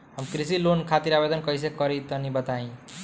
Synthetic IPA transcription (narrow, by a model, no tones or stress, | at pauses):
ɦəmkɾisilonkʰat̪iɾabed̪ənkʌjs̬ekʌɾit̪ʌnibət̪aĩ